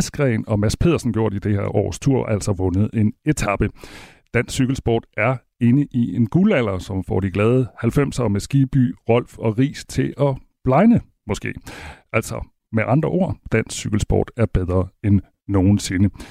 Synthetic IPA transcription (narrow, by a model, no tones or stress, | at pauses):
sɡ̥ʁɛ̰ːnɒ̽mæspʰe̝ðˠɐsn̩ɡjo̝ɐ̰d̥id̥ehḛɐʔɒ̰ːst͡sʰuɐ̰æl̰sɒ̽ʋɔ̽nəð̞̩ˠe̝ne̝t͡sʰɑ̈b̥ə | d̥æn̰syɡ̥l̩sb̥ɒ̰ːd̥æɐ | e̝nəʔie̝nɡ̥ulæl̰ɐsɒ̽mfɒ̰ːd̥iɡ̥lɛːð̞ˠəhælfem̰sɐːmesɡ̥iːb̥y̰ːʁɒ̽l̰fɒ̽ʁḭːst͡sʰe̝ʔɒ̽ | b̥lɑ̈ɪnə | mɒ̽sɡ̥e̝̰ːʔæl̰sɒ̽ | meʔɑ̈nd̥ʁɐʔo̝ɐ̰d̥æn̰sːyɡ̥l̩sb̥ɒ̰ːd̥æɐb̥eð̞ˠʁɐːenː | o̝ːn̩se̝nə